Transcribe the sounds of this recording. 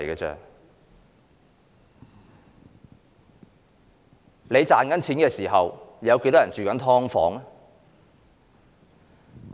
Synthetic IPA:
jɡɛː˧t͡sɛ̰ː˧ | le˨˧jt͡saː˨nkɐ˨˥nt͡sʰiː˨˥nkɛː˧siː˨˩ɦɐ˨wjɐ˨˧wke˧˥jt̪ɔː˥jɐ˨˩nt͡ʃyː˨˩kɐ˨˥nt̪ʰɔː˥ŋfɔ̰ː˨˥ŋ

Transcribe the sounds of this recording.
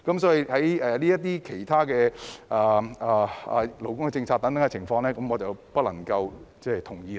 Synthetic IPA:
kɐ˨˥msɔː˨˥ji˨˧hɐ˨˥jɛː˨˧liː˥jɐ˥t̪̬̚ːiː˥kʰe˨˩jt̪ʰaː˥kɛː˧ʔaː˨˩aː˨˩ɐ˨˩lo˨˥wkʊ˥ŋkɛ˧t͡sɪ˧ŋt͡sʰaː˧t̚t̪ɐ˨˥ŋt̪ɐ˨˥ŋkɛ˧˨ɪ˨˩ŋfɔː˧ŋlɛː˥kɐ˨˥mɔː˨˧t͡sɐ˨˩wpɐ˥t̚lɐ˨˩ŋkɐ˧wt͡sɛː˥t̪ʰʊ˨˩ŋjiː˧

